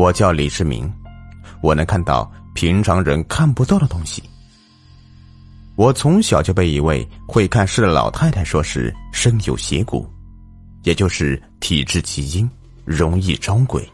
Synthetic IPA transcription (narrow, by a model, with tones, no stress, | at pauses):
wɔ˨˩t͡ɕjɑ˥˩ʊli˨˩ʂɻ̩˥˩mḭ˧˥ŋ | wɔ˨˩nə˧˥ŋkʰa˥˧nt̪ɑ̰˥˩ʊpʰi˧˥ŋʈ͡ʂʰɑ˧˥ŋɻə˧˥nkʰa˥˩npu˧˥t̪ɑ˥˩ʊd̪ə˩t̪ʊ˥ŋɕi˨˩ | wɔ˨˩t͡sʰʊ˧˥ŋɕjɑ˨˩ʊt͡ɕjo˥˧pe˥˩ɪi˧˥we˥˩˧ɪxwe˥˧ɪkʰa˥˧nʂɻ̩˥˩ə˩lɑ̰˨˩ʊt̪ʰa˥˩ɪt̪ʰa˧˥ɪʂwɔ˥ʂɻ̩˥˩ʂə˥ŋjo˨˩ʊɕjɛ̰˧˥kṵ˨˩˦ | jɛ˨˩t͡ɕjo˥˧ʊʂɻ̩˥˩ | t̪ʰi˨˩ʈ͡ʂɻ̩˥˩t͡ɕʰi˧˥t͡ɕi˥n | ɻʊ˧˥ŋi˥˩ʈ͡ʂɑ˥ʊkwḛ˨˩˦ɪ